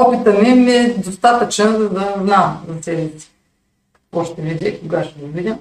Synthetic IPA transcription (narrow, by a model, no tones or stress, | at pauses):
ɔpit̪ənɛmɛd̪ost̪at̪ət͡ʃnəzɐd̪ɐznazɐsɛlisʲɛ̥ | kɐ̥kvɔʃt̪ɛvid̪ʲɛkoɡaʃt̪ɛd̪ɐvid̪ʲə